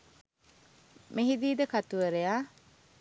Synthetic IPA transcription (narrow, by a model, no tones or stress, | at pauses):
meɦid̪iːd̪əkat̪uʋəɾejaː